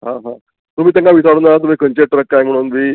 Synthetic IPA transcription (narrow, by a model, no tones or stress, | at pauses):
ɦãɦã | t̪umiːt̪jãŋkaʋisaɽunat̪̬um̤iːkʰənt͡ɕeʈ̪ɾək̚ːajm̤əɽ̃uːnmiː